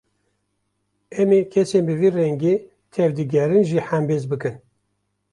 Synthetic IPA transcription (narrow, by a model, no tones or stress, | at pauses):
ɛmekʰɛseːnbɨviːrɛŋɡeː | t̪ʰɛvd̪ɨɡʲɛɾɨnʒiːħambeːzbɨkɨn